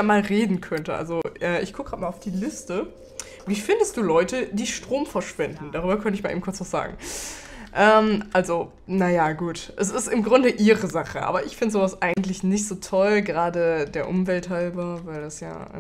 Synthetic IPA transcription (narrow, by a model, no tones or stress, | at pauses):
aːmaːlʁeːdn̩kʰœntəʔa̰lzoʔɛːʔɪçɡʰʊkəɡ̥ʁatmaːlaʊfd̥iːlɪstə | viːfɪndəst̚d̥uːlɔʏtədiːʃtʁ̥oːmfɛɐʃv̥ɛndn̩daʁ̞yːbɐkʰœntəɪçmaːʔḛːbm̩kʊɐt͡sv̥asz̥a̰ːɡŋ̩ | ʔɛːmʔalzo | najaɡuːtʔɛsɪstɪmɡʁʊndəʔiːʁəzaχəʔa̰ːbɐʔɪçfɪndəzoːvasʔa̰ɪɡŋ̩tlɪçnɪçtz̥oːtʰɔlɡəʁaːdədeːɐʔʊmvɛlthalbɐvaɪldasja̰ːʔ